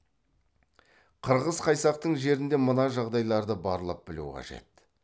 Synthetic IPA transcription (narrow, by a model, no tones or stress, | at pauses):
qʰəɾʁəzqʰɑjsɑq̚t̪əɴʒe̞ɾɪnd̪e̞mənɑʒɑʁd̪ɑjlˠɑɾd̪əbɑɾlˠəp̚bɪlṵqʰɑ̰ʒe̞̰t̪̚